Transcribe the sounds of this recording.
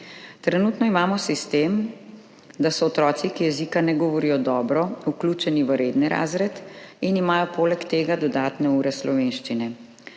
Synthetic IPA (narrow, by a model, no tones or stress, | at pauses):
t̪ɾɛnuːt̪nɔimaːmɔsist̪em | d̪asɔːt̪ɾɔːt̪sikijɛzikanɛɡɔʋɔɾiːjɔd̪ɔːbɾɔukluːt͡ʃɛniʋəɾeːd̪niɾʔa̰ːzɾɛt̪inimaːjɔpoːlɛkt̪eːɡad̪ɔd̪aːt̪nɛuːɾɛslɔʋenʃt͡ʃinɛ